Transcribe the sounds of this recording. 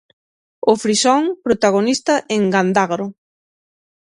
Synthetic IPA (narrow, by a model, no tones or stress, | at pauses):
ʊfɾisɔŋpɾot̪aɣonist̪ɐʔeŋɡand̪aɣɾʊ